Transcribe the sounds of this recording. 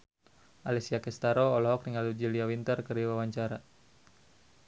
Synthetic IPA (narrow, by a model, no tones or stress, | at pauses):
ʔalɛsiakɛst̪aɾɔːlɔɦɔkɾiŋalud͡ʒiliawint̪ərkəriwawaɲt͡ʃaɾa